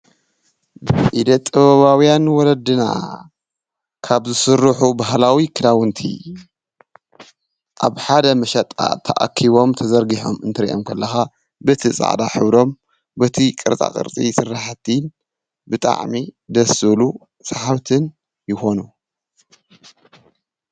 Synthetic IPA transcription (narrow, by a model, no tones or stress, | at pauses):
bʔid̪ɐt̪ʼːɨβɐβawijanwɔlɐd̪ɨna̰ | kʰaβzɨsɨɾːɨħubaɦlawikʰɨlawɨnt̪ʰḭ | ʔa̰βħad̪ɐmɐʃɐt̪ʼa̰t̪ʰɐ̰ʔa̰kʰːiβo̞mt̪ʰɐzɐɾɡiħo̞̰mɨnt̪ʰɐɾḭʔo̰mkʰɐlːɐxa | bɨt̪ʰisʼa̰ʕd̪a̰ħɨβɾo̞m | bɐt̪ʰikʼɨɾt̪ʼa̰kʼɨ̰ɾt̪ʼisɨrːaħt̪ʰin | bɨt̪ʼa̰ʕmid̪ɐsɨlu | saħaβt̪ʰɨn | jɪxo̞nu